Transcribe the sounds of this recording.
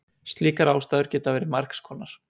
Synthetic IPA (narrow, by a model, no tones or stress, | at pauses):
st̪liːkaɾaːwst̪aːðʏɾ̥cɛːt̪avɛːɾɪmar̥kskʰɔːnaɾ̥